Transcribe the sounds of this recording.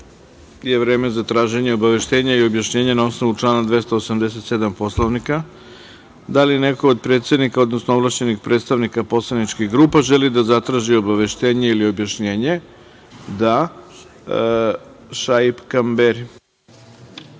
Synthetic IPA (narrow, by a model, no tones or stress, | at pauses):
je̞ʋɾe̞ːmezat̪ɾaːʒe̞ɲeo̞baʋe̞ʃt̪e̞ːɲaio̞bjaʃɲe̞ːɲenao̞sno̞ʋuʈ͡ʂlˠaːnad̪ʋe̞st̪oːsamd̪es̬e̞t̪sed̪ampo̞sloʋnika | d̪aline̞kood̪̚pɾe̞ːt̪sje̞d̪nikao̞d̪nosnoovlaʃt͡ɕe̞nixpɾʔet̪st̪aʋnikapo̞slˠanit͡ʃkiɣɡɾuːpaʒelid̪azat̪ɾaːʒio̞baʋe̞ʃt̪e̞ːɲeilio̞bjaʃɲe̞ːɲe̞ | d̪a | ʃaipkambeɾi